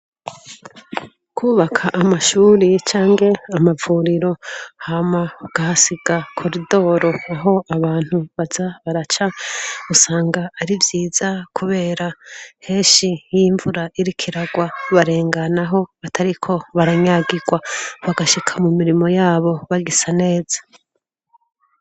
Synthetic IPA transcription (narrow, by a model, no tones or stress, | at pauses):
kʰuːβakʰaʔamaʃuːɾit͡ʃaːŋɡe̞amavuːɾiɾo̞hamaɡ̥ahasiɡakʰoɾido̞ːɾo̞aɦo̞aβaːn̥huβazaβaɾat͡ʃausaːŋɡaːɾivjiːz̥akʰuβe̞ːɾahe̞ːʃijiɱvuɾaʔiɾikʰiɾaɡwaβaɾe̞ːŋɡanaɦo̞βatʰaɾikʰo̞βaɾaɲaɡiɡwaβaɡaʃikʰamumiɾimo̞jaːβo̞βaɡisane̞ːz̥ḁ